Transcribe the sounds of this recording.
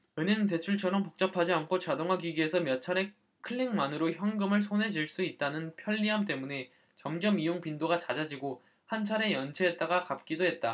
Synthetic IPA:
ɯɲɯnt̬e̞t͡ɕʰuɭt͡ɕʰʌɾʌmpok̚t͡ɕ͈ʌpʰad͡ʑiankʰot͡ɕadoŋɦaɡiɡie̞sʰʌmjʌt͡ɕʰaɾe̞ | kʰɯɭːiŋmanɯɾoçjʌŋɡɯmɯɭsʰone̞d͡ʑiɭs͈uit̚t͈anɯnpʰjʌɭːiɦamt̬͈e̞mune̞ | t͡ɕʌmd͡ʑʌmijoŋpindoɡat͡ɕad͡ʑad͡ʑiɡo | hant͡ɕʰaɾe̞jʌnt͡ɕʰeɦːt̚t͈aɡakap̚k͈idoɦe̞t̚t͈a

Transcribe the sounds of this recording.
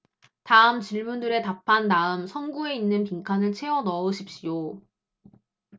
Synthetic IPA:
taɯmt͡ɕiɭmundɯɾe̞tapʰanːaɯmsʰʌnɡue̞inːɯnp̬iŋkʰanɯɭt͡ɕʰe̞wʌnʌoɕʰip̚ɕ͈ijo

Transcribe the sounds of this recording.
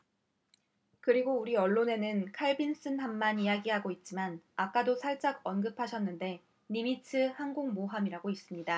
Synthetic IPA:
kɯɾiɡouɾiʌɭːone̞nɯnkʰaɭbins͈ɯnhamːanijaɡiɦaɡoit̚t͡ɕ͈imanak͈adosʰaɭt͡ɕ͈aɡʌnɡɯpʰaɕʰʌnːɯnde̞ | nimitʰɯhanɡoŋmoɦamiɾaɡois͈ɯmɲida

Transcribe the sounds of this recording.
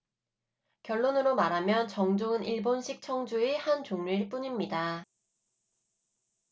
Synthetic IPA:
kjʌɭːonɯɾomaɾɦamjʌnt͡ɕʌŋd͡ʑoŋɯniɭbonɕʰik̚t͡ɕʰʌŋd͡ʑuehant͡ɕoŋɲuiɭp͈uɲimɲida

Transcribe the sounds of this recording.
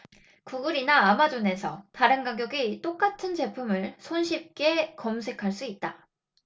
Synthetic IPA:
kuɡɯɾinaːmad͡ʑone̞sʰʌtaɾɯnɡaɡjʌɡit͈ok͈atʰɯnt͡ɕe̞pʰumɯɭsʰonɕʰip̚k͈e̞kʌmsʰe̞kʰaɭs͈uit̚t͈a

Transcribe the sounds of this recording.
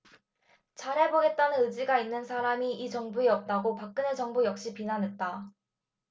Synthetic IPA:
t͡ɕaɾɦe̞bʌɡe̞t̚t͈anɯnɯd͡ʑiɡainːɯnsʰaɾamiʔit͡ɕʌŋbueʌp̚t͈aɡopak̚k͈ɯnet͡ɕʌŋbujʌk̚ɕ͈ipinanɦe̞t̚t͈a

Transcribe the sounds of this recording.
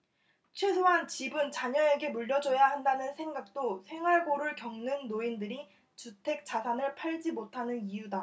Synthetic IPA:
t͡ɕʰwe̞sʰoɦant͡ɕibɯnt͡ɕaɲʌe̞ɡe̞muʎːʌd͡ʑʌjaɦandanɯnsʰe̞ŋɡak̚t͈osʰe̞ŋwaɭɡoɾɯɭkjʌŋnɯŋnoindɯɾi | t͡ɕutʰe̞k̚t͡ɕ͈asʰanɯɭpʰaɭd͡ʑimotʰanɯnijuda

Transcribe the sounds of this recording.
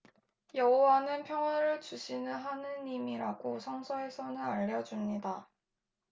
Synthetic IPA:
jʌɦowanɯnpʰjʌŋwaɾɯɭd͡ʑuɕʰinɯnɦanɯnimiɾaɡosʰʌŋsʰʌe̞sʰʌnɯnaʎːʌd͡ʑumɲida

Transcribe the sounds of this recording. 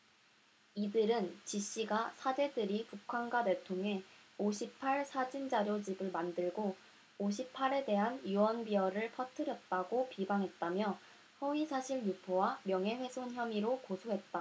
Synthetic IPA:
idɯɾɯnt͡ɕiɕ͈iɡasʰad͡ʑe̞dɯɾipukʰanɡade̞ɭtʰoŋɦe̞oɕʰipʰaɭsʰad͡ʑind͡ʑaɾjod͡ʑibɯɭmandɯɭɡo | oɕ̬ʰipʰaɾe̞de̞ɦanuwʌnbiʌɾɯɭpʰʌtʰɯɾjʌt̚t͈aɡopibaŋɦe̞t̚t͈amjʌ | sʌɥisʰaɕʰiɭjupʰowamjʌŋɦe̞ɸwe̞sʰonçjʌmiɾokosʰoɦe̞t̚t͈a

